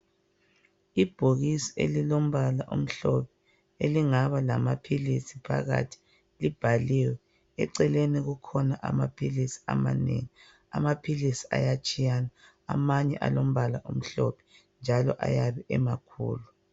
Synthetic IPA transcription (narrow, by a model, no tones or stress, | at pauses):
ib̥ʱoɣisi̥ḛlilom̩βalaʔum̩ɬɔpʰɛ̥ | eliŋaβalamapʰilisipʰa̰ɣa̰tʰi̥ | lib̥ʱaliwɛ | ɛ̰ǀɛleniɣukʰɔnaʔa̰mapʰilisi̥a̰ma̰nḛŋi | a̰mapʰilisi̥a̰jat͡ʃʼijana̰ː | maɲɛʔa̰lom̩βalaʔum̩ɬɔpʰɛ̥ | nd͡ʒʱalɔʔa̰jaβɛʔɛmakʰṵːlu